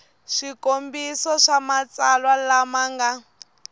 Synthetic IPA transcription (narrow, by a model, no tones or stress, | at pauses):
ʃikombisɔʂamat͡salwalamaŋɡa